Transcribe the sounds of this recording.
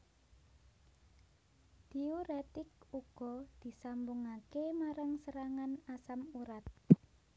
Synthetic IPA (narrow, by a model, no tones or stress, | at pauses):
d̪̥ioɾet̪ɪk̚uɡ̥ɔ̤d̪̥i̤sambuŋakemaɾaŋsəɾaŋanasamuɾat̪̚